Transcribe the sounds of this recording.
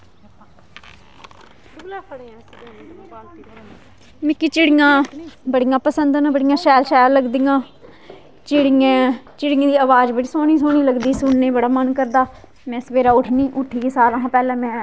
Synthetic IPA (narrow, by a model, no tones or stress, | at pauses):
kʰɽãː | mɪkːiːt͡ʃɪɽɪjãːbəɽijãːpəsənd̪nabəɽijãːʃɛːlʃɛːɾləɡd̪iːãː | t͡ʃɪɽɪẽːt͡ʃɪɽɪãːd̪iːəʋaːd͡ʒbɪʈːsoːñiːsoːñiːləɡd̪iːsʊɳneːbəɽaːmənkəɾd̪aː | mɛ̃ːsəʋeːɾaːʊʈʰniːʔʊʈʰːiːkeːsaːləɦãːpɛːlɛ̃ːmɛ̃ː